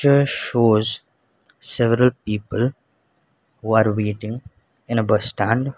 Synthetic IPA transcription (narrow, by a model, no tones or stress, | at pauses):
əʃoːz | sɛʋəɾəlpiːpəl | huːaːɾʋeːʈɪ̃ŋ | ɪ̃nəbəsʈæ̃ɳɖ